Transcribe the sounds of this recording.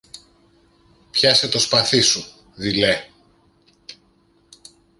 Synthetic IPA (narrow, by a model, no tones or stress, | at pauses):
pçɐset̪o̞spɐθisu | ðile